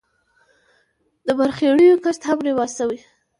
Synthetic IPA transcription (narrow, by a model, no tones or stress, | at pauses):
d̪əbaɾxeɽəjokast̪hamɾewɑsawi